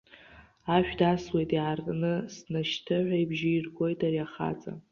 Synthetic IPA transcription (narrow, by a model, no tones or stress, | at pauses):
aʃᶣdaswejtʼiʕarʼnɨsnaʃtʰɨʕʷaijbʒɪirɡʷʼo̞jtʰʼariaχa̰t͡sʼa̰